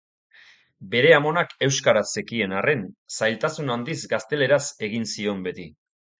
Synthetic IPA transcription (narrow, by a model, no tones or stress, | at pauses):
be̞ɾe̞amo̞nake̞wskaɾasekie̞nare̞nsajlt̪asunand̪izɡast̪e̞le̞ɾase̞ɣinsio̞mbe̞t̪i